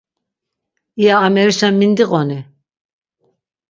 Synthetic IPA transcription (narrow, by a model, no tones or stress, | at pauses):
ijaːmɛɾiʃamind̪iɣʼɔni